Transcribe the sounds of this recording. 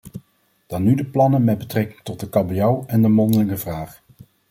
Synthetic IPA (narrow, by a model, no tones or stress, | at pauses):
d̥ɑnːydəplɑnənmɛd̚bətrɛkɪŋtɔt̚dəkɑbijawɛndəmɔndələŋəvraːχ